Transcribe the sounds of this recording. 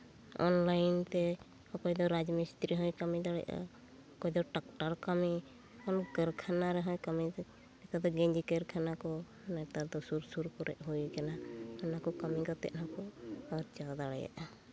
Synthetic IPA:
ɔ̰nlajnt̪ɛ | hɔkɔjd̪ɔɾad͡ʒmist̪ɾiɦɔjkamid̪aɽɛ̰ʔa̰ | ɔkɔjd̪ɔʈak̚ʈaɾkami | ɔnɡəɾkʰanaɾɛɦɔjkami | ɛkad̪ɔɡɛɲd͡ʒikɛɾkʰanakɔ | nat̪aɾd̪ɔsuɾsuɾkɔɾɛ̰ʔɦujkɛnaɔnakɔkamiɡɔt̪ɛ̰ʔ̚ˀnakɔaɾt͡ʃad̪aɽɛ̰ja̰ʔa

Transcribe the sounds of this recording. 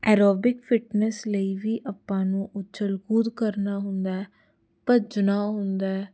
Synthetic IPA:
ɛːɾoːbɪkfʰɪʈnɛsləiːʋiːʔəpːãːnũːʔʊt͡ʃʰəlkuːd̪kəɾnaːɦʊnd̪aːɛː | pəd͡ʒnaːɦʊnd̪aːɛː

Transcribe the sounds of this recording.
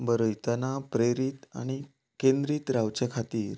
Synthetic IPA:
bəɾəjt̪anapɾeɾiːt̪a̰ɽ̃i | kend̪ɾiːt̪ɾaʋt͡ɕakʰat̪iːɾ

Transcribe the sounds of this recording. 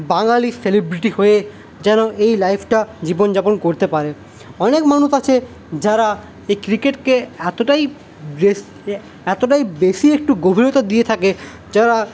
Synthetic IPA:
baŋaliselebɾiʈihoe | d͡ʑɛnoʔejlajpʰʈad͡ʑibond͡ʑaponkoɾt̪epaɾe | ɔnekmanuʃat͡ɕʰe | d͡ʑaɾa | ekɾikeʈkeɛt̪oʈaj | e | ɛt̪oʈajbeʃiek̚ʈuɡobʱiɾot̪ad̪iet̪ʰake | d͡ʑaɾa

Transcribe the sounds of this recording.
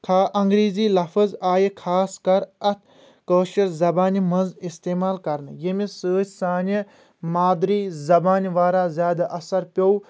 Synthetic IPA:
kʰaːʔɐŋɡɾiːziːlɐfəzaːjikʰaːskɐɾɐt̪ʰ | kəːʃɐɾzɐbaːnimɐnzist̪eːmaːlkɐɾnɨjemisəːt͡ʃʲsaːni | maːd̪ɾiːzɐbaːnʋaːɾaːzʲjaːd̪aʔɐsɐɾpʲo

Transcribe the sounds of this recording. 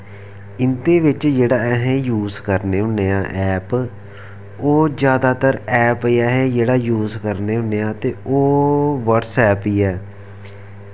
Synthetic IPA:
ɪnt̪eːʋɪt͡ʃd͡ʒeːɽaːɛɦɛ̃ːjuːzkəɾneːɦʊneːãːʔɛːp | oːd͡ʒjaːd̪aːt̪əɾɛːpiɛːɦɛ̃ːd͡ʒeːɽaːjuːzkəɾneːɦʊnːeːãːt̪eːoːʋəʈsɛːpiːɛː

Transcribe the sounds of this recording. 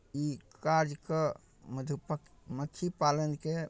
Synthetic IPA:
ikaɾd͡ʒkə | məd̪ʱup | mət̪ʰipalənke

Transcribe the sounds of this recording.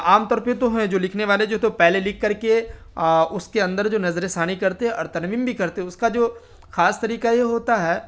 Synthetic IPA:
aːmt̪ɔːɾpet̪oɦɛ̃d͡ʒoːlɪkʰneʋaːled͡ʒoːɦɛt̪opɛɦlelɪkʰːɐɾke | ʊskeɐ̃nd̪əɾd͡ʒoːnɐzɾesaːɽ̃ikɐɾt̪eɦɛ̃ʔɐ̰ɾt̪ʰənmiːmbʱikɐɾt̪eɦɛ̃ʊskad͡ʒoː | xaːst̪ɐɾiːkajeɦoːt̪aɦɛː

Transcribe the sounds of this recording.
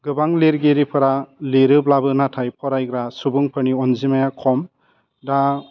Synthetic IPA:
ɡɯbaŋleɾɡeɾipʰɯɾaleɾɯblabɯnatʰajpʰɔɾajɡɾasubɯŋpʰɯniɔnzimajakʰɔm | da

